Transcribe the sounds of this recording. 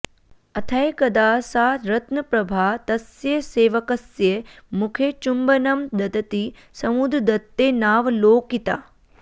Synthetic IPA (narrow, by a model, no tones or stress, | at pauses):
ɐt̪ʰɐjkɐd̪aːsaːɾɐt̪nɐpɾɐbʱaːt̪ɐsjeseːʋɐkɐsjemukʰet͡ʃumbɐnɐmd̪ɐd̪ɐt̪i | sɐmud̪ɾd̪ɐt̪ːeːnaːʋloːkit̪a̰ː